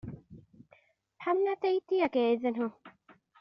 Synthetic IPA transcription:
pʰamnat̪ejt̪iakezəno

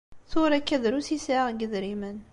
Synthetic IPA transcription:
θʊɾækːæðɾusisəʁɡəðɾimən

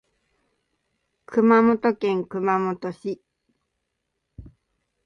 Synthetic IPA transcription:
kʰɯ̟mamo̞t̪okẽ̞ŋkɯ̟mamo̞t̪o̞ɕi

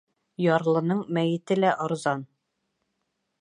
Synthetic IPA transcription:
jɒɾlˠɤ̆nɤɴmæjɘ̆t̪ɘlæʔɒ̆ɾzɑn

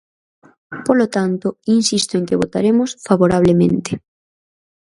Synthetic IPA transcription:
polot̪ant̪oinsist̪oeŋkeβ̞ot̪aɾemosfaβoɾaβ̞lemẽnt̪e

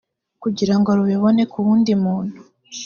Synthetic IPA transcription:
kuɟiɾaŋɡo̞ɾuβiβo̞ne̞kuβuːndimuːn̥hu

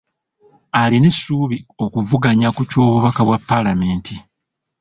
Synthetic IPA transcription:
alinesːuːβio̞kuvuɡaɲakuco̞ːβuβakaβwapːalame̞ːntʰi

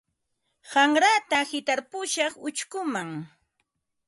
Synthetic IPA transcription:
ɢaŋɾat̪ahɪt̪aɾpʊʃɑχʊt͡ʃkʊmaŋ

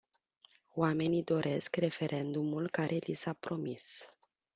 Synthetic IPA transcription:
oame̞nid̪o̞ɾʔe̞skre̞fe̞ɾʔe̞nd̪umulkaɾʔe̞lisapɾo̞mis

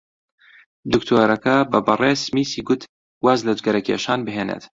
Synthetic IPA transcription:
d̪ukt̪ʰoːɾɐkɐbɐbɨreːsmiːsiːɡʊt̪ | waːzlɐd͡ʒɡɐɾɐkʰeːʃaːnbɨɦeːnḛːt̪

